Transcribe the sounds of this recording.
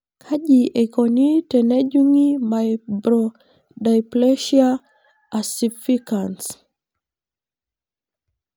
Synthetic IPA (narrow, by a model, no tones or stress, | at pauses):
kʰaʄiʔekɔnitɛnɛd͡ʒuŋimajbɾo | dajpleʃia | asifikans